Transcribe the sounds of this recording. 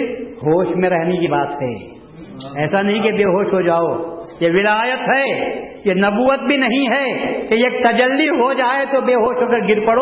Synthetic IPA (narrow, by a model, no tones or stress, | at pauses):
ɦoːʃmẽɾɛɦnekibaːt̪ɦɛ̰ː | ɛːsanɐɦĩkebeːɦoːʃɦod͡ʒaːoːjeʋɪlaːjət̪ɦɛːjenɐbuːət̪̚bʱinɐɦĩɦɛːkejeːk̚t̪ɐd͡ʒəlːiɦod͡ʒaːet̪obeːɦoːʃɦoɡɐɾɡɪɾpɐɽo